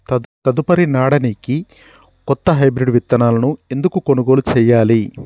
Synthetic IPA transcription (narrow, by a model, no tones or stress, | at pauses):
ɐt̪ɐd̪upɐɾinaːɽɐniki | kɔt̪ːɐɦɐjbɾiɖʋit̪ːɐnaːlɐnue̞nd̪ukuko̞nuɡo̞ːlut͡ʃɛːjːaːli